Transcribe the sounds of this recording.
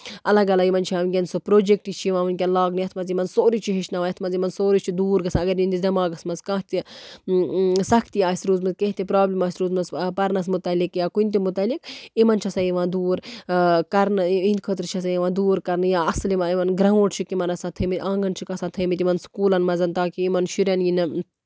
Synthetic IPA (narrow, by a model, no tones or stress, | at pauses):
ɐlɐɡɐlaːimɐnt͡ʃʰiaːʋkʲɐnsopɾoːd͡ʒek̚ʈit͡ʃʰiiʋãːʋɐnk̬ʲɐlaːɡnɨjɐt̪ʰmɐzimɐnsoːɾit͡ʃʰiɦeʃnɐʋajɐt̪ʰmɐzimɐnsoːɾit͡ʃʰid̪uːɾɡɐsãɐɡɐɾind̪id̪ɐmaːɡɐsmɐzkãːɦt̪i | sɐkʰt̪iaːisʲɾuːzmɐzkẽɦt̪ipɾaːblimaːisʲɾuːzmɐzpɐɾnɐs̬mut̪ɐlikjaːkunt̪̬imut̪ɐlikimɐnt͡ʃʰɐsãjiʋãːd̪uːɾkɐɾnɨĩnd̪kʰət̪̬ɾɨt͡ʃʰɐsãjiʋãːnd̪uːɾkɐɾnɨjaɐslimɐimɐnɡɾɐũʈt͡ʃʰikimɐnɐsãt̪ʰɐmit̪ʲʔãːŋɡɐnt͡ʃʰikɐsãːt̪ʰɐmit̪imɐnskuːlɐnmɐzɐnt̪aːkiimɐnʃiɾɐnjinɨ